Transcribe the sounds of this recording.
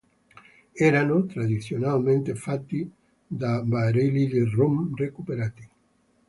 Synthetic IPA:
eɾanot̪ɾaðisjonalmẽnt̪efat̪ːi | d̪abaɾeliðerumrekupeɾat̪i̥

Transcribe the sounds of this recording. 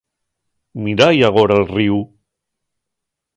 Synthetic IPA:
miɾajaɣoɾalˠriw

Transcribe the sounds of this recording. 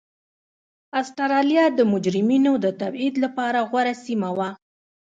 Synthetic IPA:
asʈaɾɑlijɑd̪əmʊd͡ʒɾɪminod̪ət̪abid̪lapɑɾaɣwaɾasimawa

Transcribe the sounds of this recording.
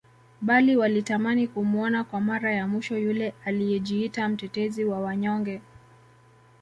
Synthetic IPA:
ɓaliwalitamanikumuɔnakwamaɾajamwiʃɔjulɛalijɛʄiitam̩tɛtɛziwawaɲɔŋɡɛ

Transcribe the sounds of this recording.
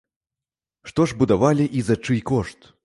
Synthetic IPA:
ʂt̪ɔʐbud̪avalʲiʔizɐt͡ʂɨjkɔʂt̪

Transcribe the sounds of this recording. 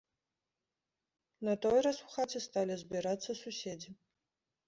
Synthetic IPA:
nɐt̪ojraswxatʲɨst̪alʲɪzbʲiɾat̪sːɐsusʲed͡zʲi

